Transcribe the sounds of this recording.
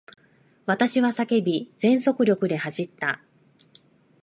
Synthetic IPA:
β̞at̪aɕiβasake̞bʲid͡zẽ̞ɰ̃so̞kɯ̟ɾʲo̞kɯ̟d̪e̞haʑit̪ːa

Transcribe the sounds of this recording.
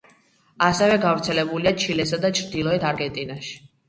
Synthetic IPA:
asɛvɛɡavɾt̪sʰɛlɛbuliat͡ʃʰilɛsad̪at͡ʃʰɾd̪ilˠɔɛt̪ʰaɾɡɛnt̪ʼinaʃi̥

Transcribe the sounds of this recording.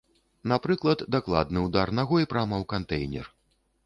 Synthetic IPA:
napɾɨklˠɐd̪ːaklˠa̰d̪nɨwd̪arnaɣɔjpɾamɐwkant̪ɛjnʲɛ̰r

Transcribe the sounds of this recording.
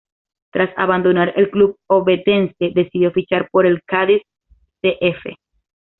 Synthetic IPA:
t̪ɾasa̰βand̪o̞naɾe̞lklub̚o̞be̞d̪e̞nse̞d̪e̞sid̪jofit͡ʃaɾpo̞ɾe̞lkaðis | teʔefe̞̰

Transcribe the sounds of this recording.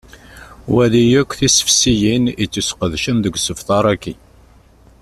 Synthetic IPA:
wæðijækʷːθisə̥fsijinit͡sːusqəðʃənðəɡʷsəfθɑɾˤækːi

